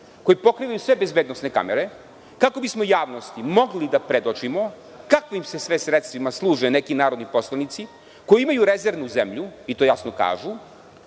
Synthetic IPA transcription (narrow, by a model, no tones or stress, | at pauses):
kojepo̞kɾiːʋajusʋebe̞zbeːd̪nosneka̰meɾe | kako̞bismojaːʋnost̪imo̞ɡlid̪apɾed̪ot͡ʃimo | kakʋimse̞sʋesɾet̪st̪ʋimaslˠuːʒenekinaːɾod̪nipo̞slˠanit̪si | ko̞jiimajuɾezeɾʋnuzemʎuit̪o̞ːjasnoka̰ːʒu